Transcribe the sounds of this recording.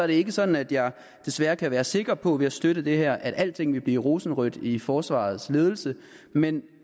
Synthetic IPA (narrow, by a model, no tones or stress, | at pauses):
sɒɐɾe̝e̝ɡ̥əsɒ̽d̥n̩æd̥jɑ̈ɪ | d̥e̝sʋæɐkʰæʋæːɐse̝ɡ̥ʁɐpʰɒ̽ʋe̝æsd̥øɾəd̥e̝ɦæɐ̰ʔæɾ̥æl̰t͡sʰe̝ŋ̰ʋe̝b̥lḭːʁo̝ːsn̩ʁœd̥ifɒːsʋɑ̰̈ːð̞̩ˠsle̝ːð̞ˠl̩sə | men